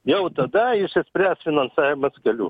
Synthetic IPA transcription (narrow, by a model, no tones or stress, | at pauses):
jɛʊt̪ɐd̪ɐɪʃʲɛsʲpʲɾʲæːsfʲɪnɐnsɑːjʲɪmɐskɐlʲṵː